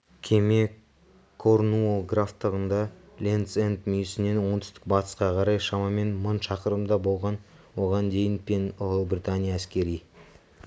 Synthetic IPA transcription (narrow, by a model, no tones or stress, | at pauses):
kʲʰeme̞ | kʰoɾnuolˠɡraft̪ːəʁənd̪ɑ | lʲent̪sent̪mʏjɪsɪne̞nwo̞nt̪ʰʏ̥st̪ɪ̥k̚bɑt̪ə̥sqɑqʰɑɾɑjʃɑmɑme̞nməɴʃɑqəɾəmd̪ɑbo̞lˠʁɑn | wo̞ʁɑnd̪e̞jɪnpenʊbrʲit̪anʲijaːskʲe̞ɾij